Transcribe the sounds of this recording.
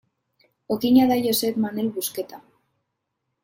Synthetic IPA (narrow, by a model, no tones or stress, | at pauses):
okiɲaðajoseβmanelβusket̪a